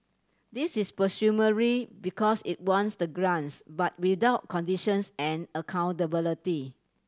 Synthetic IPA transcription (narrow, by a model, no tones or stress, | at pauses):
disispəsjuməɹibikɔsit̚wɔ̃ntsdəɡɹãnsbat̚widaʊt̚kʰɔ̃ndiʃə̃nsɛ̃nəkʰãw̃ntəbiliti